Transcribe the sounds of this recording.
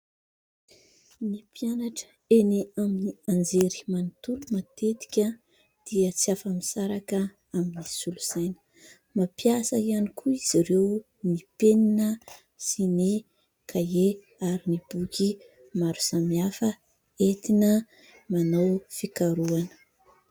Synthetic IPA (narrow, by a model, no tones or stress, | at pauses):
nipianaʈ͡ʂə̥ | eniaminiand͡zeɾi̥manit̪ulumat̪et̪i̥kʲə | d̪̥iət͡siafamisaɾakə | aminisuluzajnə̥ | mapjasəianikʰuiz̥iɾew | nipeninə | sini | kʰae | aɾinib̥ukʰʲi | maɾu̥samiafə | et̪inə | manawfikaɾuanə̥